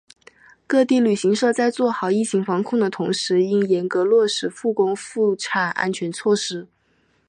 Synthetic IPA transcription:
kɤ˥˧t̪i˥˩ly˨˩ɕi˧˥ŋʂɤ˥˧t͡sa˥˧ɪt͡swɔ˥˩xɑ˨˩ʊi˥˩t͡ɕʰi˧˥ŋfɑ˧˥ŋkʰʊ˥˩ŋd̪ə˩t̪ʰʊ˧˥ŋʂɻ̩˧˥i˥njɛ˧˥nkɤ˧˥lwɔ˥˩ʂɻ̩˧˥fu˥˩kʊ˥ŋfu˥˩ʈ͡ʂʰa˨˩na̰˥nt͡ɕʰɥɛ˧˥nt͡sʰwɔ˥˩ʂɻ̩˥

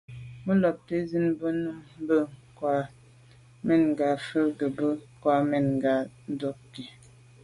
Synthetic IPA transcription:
mə˦lɔ˨p̚te˦zi˦nbə˦nu˦m˦bə˦ŋ˨kwa˨ | mɛ˨nŋ˨ɡa˨fə˦ɡə˨bə˦˨kwa˨mɛ˨nŋ˨ɡa˨˦ | do˦ki˨

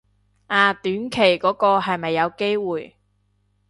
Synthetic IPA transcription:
ʔaː˨t̪yː˨˥nkʰe˨˩jkɔː˨˥kɔː˧ɦɐ˨jmɐ˨jːɐ˨˧wke˥jwuː˨j

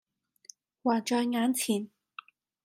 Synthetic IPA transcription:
waː˨˩t͡ʃɔː˧jŋaː˨˧˥nt͡sʰiː˨˩n

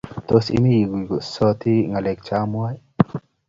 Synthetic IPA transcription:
t̪o˦sḭ˦mi˦ji˨ɡu˨ɡu˨sɔ˦t̪i˦ŋa˨le˨k̚t͡ʃa˦mwa˦j

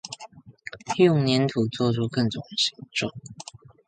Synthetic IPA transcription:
li˥˧jʊ˥˩ŋnjɛ˧˥nt̪ʰu˨˩t͡swɔ˥˧ʈ͡ʂʰu˥kə˥˩ŋt͡sʊ˨˩ŋ˨ɕi̥˧˥˦ʈ͡ʂo˥˩

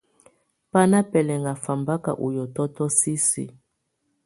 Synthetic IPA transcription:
pa˦na˦pɛ˨lɛ˨ŋɡa˨fa˨mba˦ka̰˨ʔu˨jɔ˨tɔ˦tɔ˦si˦sḭ˨

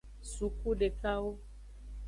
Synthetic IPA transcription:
su˨ku˦ɖe˨ka˦wo˦

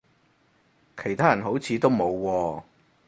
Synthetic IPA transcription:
kʰe˨˩jt̪ʰaː˥jɐ˨˩nɦo˨˥wt͡sʰiː˨˧t̪o˥wmo˨˧wːɔː˧

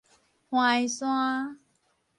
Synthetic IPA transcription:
hw̃ã˧i˨swã˦

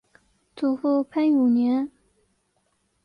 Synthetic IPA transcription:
t͡su˨˩fu˥˧pʰa˥˩nu˨˩njɛ˧˥n

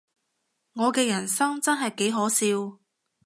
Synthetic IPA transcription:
ŋɔː˨˧kɛː˧jɐ˨˩nsɐ˥ŋt͡sɐ˥nɦɐ˨jke˨˥jɦɔː˨˥siː˧w

